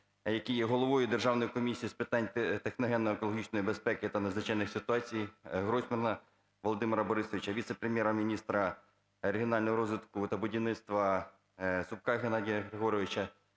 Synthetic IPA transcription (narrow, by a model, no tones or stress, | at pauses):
jɐkijɛɦɔlˠɔʋɔjʊd̪erʒɑwnɔjikɔmʲisʲijispɪt̪ɑnʲt̪exnɔɦɛnːɔekɔlˠɔɦʲit͡ʃnɔjibespɛkɪt̪ɐnɐzʋɪt͡ʃɑjnɪxsʲɪt̪ʊɑt͡sʲijɦɾɔsʲmʲɐnɐ | ʋɔlˠɔd̪ɪmeɾɐbɔɾɪsɔʋʲit͡ʃɐʋʲit̪sepɾemʲjɛɾɐmʲinʲist̪ɾɐ | ɔɾeɦʲiɔnɑlʲnɔɦɔɾɔzʋʲɪt̪kʊt̪ɐbʊdʲiwnɪt̪st̪ʋɐ | sʊp̚kɑɦenɑdʲijɐɦɾeɦɔɾɔʋɪt͡ʃɐ